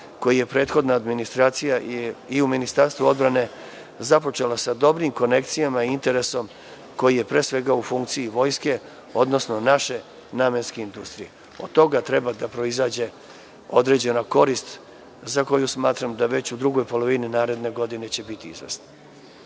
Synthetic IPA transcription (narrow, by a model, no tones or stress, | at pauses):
ko̞jije̞pɾe̞ːt̪xo̞d̪naːd̪minist̪ɾaːt̪sijaiuminist̪aɾst̪ʋuo̞d̪bɾane̞ | zapo̞t͡ʃe̞lasad̪o̞bɾimko̞ne̞k̚t̪sijamaiint̪e̞ɾe̞so̞m | ko̞jije̞pɾe̞ːsʋe̞ɡaufuŋkt̪siiʋo̞jske̞ | o̞d̪no̞sno̞naʃe̞ | naːmenskeind̪ust̪ɾije | o̰d̪̚t̪ːo̞ɡat̪ɾe̞bad̪apɾo̞izaːd͡ʑe̞ | o̞d̪ɾe̞d͡ʑe̞nako̞ɾist̪ | zako̞jusmaːt̪ɾamd̪aʋe̞t͡ɕud̪ɾuɡo̞jpo̞lo̞ʋininaːɾe̞d̪ne̞ɡo̞d̪ine̞t͡ɕe̞bit̪iizʋḛsna